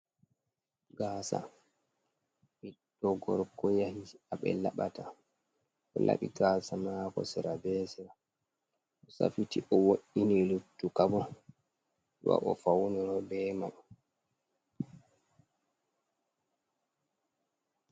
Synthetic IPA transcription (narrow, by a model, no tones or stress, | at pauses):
ɡaːsa̰ | ɓidɔɡɔɾkɔjahiaɓɛ̰laɓata | ʔɔ̰la̰ɓiɡaːsamaːkɔ̰sɛɾabɛsiɾa | ɔsa̰fitiʔɔwoɗːinilutːukabɔ | ɗṵwa̰ʔɔfawniɾɔbɛːma